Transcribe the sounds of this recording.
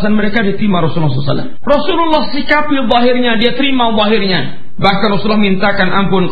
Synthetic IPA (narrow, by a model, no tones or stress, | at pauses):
sanməɾekadit̪imaɾɔsululːslsa̰lːa̰mrɔsululːɔhsikapiðˤɔɦɪrɲadiat̪əɾimaðˤɔɦɪrɲa | bahkanrɔsulɔhmint̪akanʔampʊn